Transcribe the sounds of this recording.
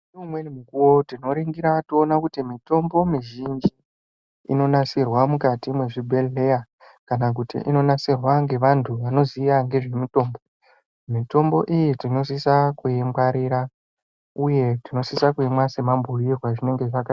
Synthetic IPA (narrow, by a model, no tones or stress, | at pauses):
iumwenimukuwo̞tino̞ɾiŋɡiɾatoːnakutimito̞mbo̞miʒind͡ʒi | ḭno̞nasirwamukatimwe̞ʐibʱeleja | kanak̬utḭʔḭno̞nasirwaŋɡe̞ʋantʰuʋano̞ziaŋɡe̞ʐe̞muto̞ːmbo̞ | mito̞mbo̞ʔijitino̞s̬isakuembaɾiɾa | uje̞tino̞sisakuemwase̞mambʱuirwaʐine̞ŋɡe̞ʐaka